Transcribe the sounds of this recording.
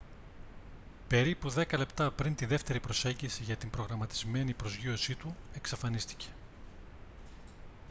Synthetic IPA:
pe̞ɾipuðe̞kɐle̞pt̪ɐpɾint̪iðe̞ft̪e̞ɾipɾo̞se̞ɲɟisiʝɐt̪imbɾo̞ɣɾɐmɐt̪izme̞nipɾo̞zʝio̞sit̪ue̞ksɐfɐnist̪i̥ce̞̥

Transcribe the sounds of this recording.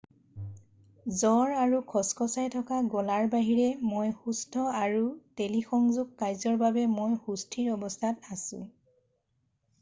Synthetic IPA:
zɔɹaɹukʰɔskɔsajtʰɔkaɡɔlaɹbaɦiɹɛmojxustʰɔaɹutelixɔŋzuɡ̚ːajzɔɹbabɛmojxustʰiɹɔbɔstʰatasʊ̰̃

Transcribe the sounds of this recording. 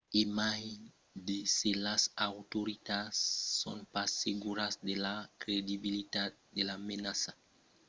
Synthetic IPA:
emaj | d̪eselasawt̪oɾit̪asːo̰npaseɡuɾasd̪elakɾed̪ibilit̪at̪̚d̪elamenasa

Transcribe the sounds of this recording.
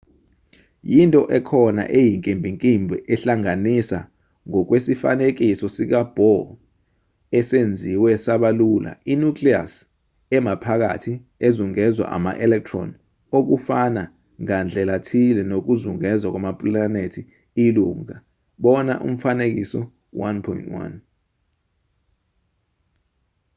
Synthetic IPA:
jintʼɔʔɛkʰɔna̰ʔejiŋkʼimbʱiŋkʼimbʱɛʔɛɬaŋanisa̰ | ŋɔk̬wesifa̰nek̬ʼisɔsik̬ab̥ʱɔ | ɛsend͡zʱiwɛsaɓalula̰inukʰʼlia̰s | ɛmapʰak̬a̰tʰi | ezuŋɛzwa̰ʔa̰ma̰ʔɛlɛk̚tʰrɔ̰n | ok̬ufana | ŋand͡ɮʱɛlatʰilɛnok̬uzuŋɛzwak̬wamapʼlanetʰi | iluŋa | ɓɔna̰ʔṵm̩fanek̬isɔ̰ | wanpʰɔḭntʰwa̰n

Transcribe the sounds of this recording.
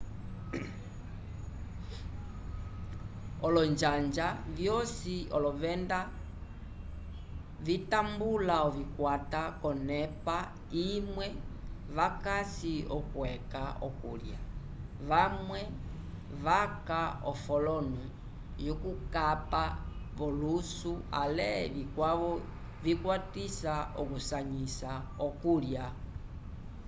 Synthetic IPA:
ɔlɔɲd͡ʒand͡ʒavjɔsiɔlɔvɛnda | vitambulaɔvikwatakɔnɛpa | imwɛvakasiɔkwɛkaɔ̰kulja | βamwɛ | βakaɔfɔlɔnu | jɔkukapaβɔlusua̰lɛβikwaβɔ | vikwatisaɔkusaɲisa | ɔkulja

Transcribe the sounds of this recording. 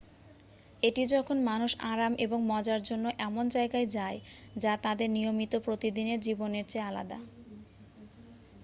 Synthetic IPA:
eʈid͡ʑɔkʰonmanuʃaɾamʔeboŋmɔd͡ʑaɾd͡ʑonːoʔɛmond͡ʑaeɡaed͡ʑaed͡ʑat̪ad̪eɾnijomit̪opɾot̪id̪ineɾd͡ʑiboneɾt͡ɕʰeala̰d̪a̰

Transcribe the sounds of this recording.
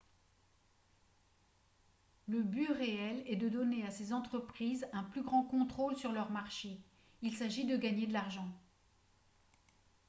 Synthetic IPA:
ləbyʁeɛlɛd̪əd̪ɔneasezɑ̃t̪χəpχizɛ̃plyɡʁɑ̃kɔ̃t̪χolsyʁlœʁmaʁʃe | ilsaʒid̪əɡaɲed̪əlaʁʒɑ̃

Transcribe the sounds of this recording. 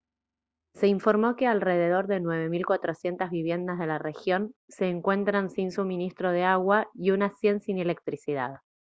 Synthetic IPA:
se̞iɱfo̞ɾmo̞ke̞alre̞ðe̞ð̞o̞ɾðe̞nwe̞β̞e̞milkwat̪ɾo̞sje̞nt̪azβiβ̞je̞nd̪azðe̞lare̞xjo̞nse̞ːŋkwe̞nt̪ɾansinsumĩnist̪ɾo̞ð̞eaɣwaiunasje̞nsinele̞k̚t̪ɾisið̞a̰ð

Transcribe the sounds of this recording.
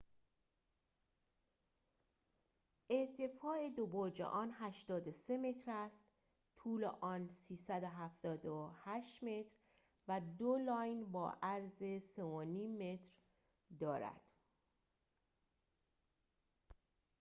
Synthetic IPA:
ʔe̞ɾt̪ʰe̞fɒːe̞d̪oboːd͡ʒḛʔɒːnhæʃt̪ɒːd̪ose̞me̞t̪ʰɾæst̪ | t̪ʰuːlḛʔɒːnsiːsæd̪oɦæft̪ɒːd̪ohæʃt̪me̞t̪ʰɾ | væd̪olɒːjnbɒ̰ːʔæɾzeseoniːmːe̞t̪ʰɾ | d̪ɒːɾæ̰d̪̥

